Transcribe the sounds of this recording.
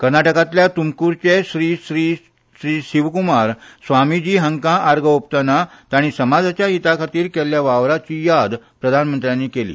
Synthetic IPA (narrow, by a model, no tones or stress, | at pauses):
kəɾnaʈəkãt̪ljat̪umkuɾt͡ɕeɕɾiːɕɾiː | ɕɾiːɕiʋkumaɾsʋamid͡ʑiːɦəŋkãʔaɾɡʱəopt̪anat̪aɽ̃isəmad͡zat͡ɕjaɦit̪akʰat̪iːɾkɛljaʋaʋɾat͡ɕiːjad̪ | pɾəd̪ʱanmənt̪ɾjanːiːkelḭː